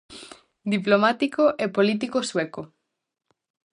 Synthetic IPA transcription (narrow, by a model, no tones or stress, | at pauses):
d̪iplomat̪ikoʔepolit̪̬ikosweko